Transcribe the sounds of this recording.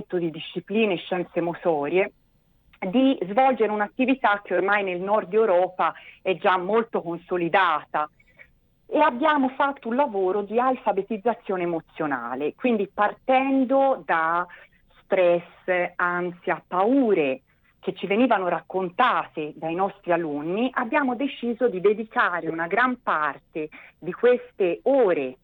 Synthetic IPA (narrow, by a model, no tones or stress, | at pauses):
t̪od̪id̪iʃːipliːneːʃːɛnt̪semot̪ɔːɾje | d̪izvɔld͡ʒeɾeunat̪ːivit̪ak̟ːeormajnelnɔrd̪ːɛewɾɔːpaɛd͡ʒamːolt̪okonsolid̪aːt̪a | eabːjaːmofat̪ːounlavoːɾod̪ialfabet̪id̪zːat̪sːjoːneːmot̪sːjona̰ːlekwind̪ipart̪ɛnd̪od̪a | st̪ɾɛs | ant̪siapːauːɾe | k̟et͡ʃːiveniːvanoɾakːont̪aːt̪ed̪ainɔst̪ɾialunːiʔabːjaːmod̪et͡ʃiːzod̪id̪ed̪ikaːɾeunaɡɾampart̪ed̪ikwest̪eoːɾe